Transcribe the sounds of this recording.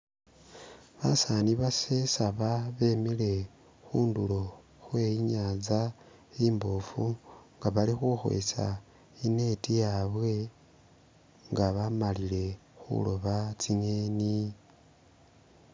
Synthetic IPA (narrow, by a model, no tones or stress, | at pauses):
βasaniβasesaβaβe̞ːmile̞ | xuːndulo̞ | xwe̞iɲaːd͡za | iːmboːfuŋɡaβalixuxwḛsa̰ | ine̞tijaβwe̞ | ŋɡaβamalile̞xṵlo̞βat͡siŋeːni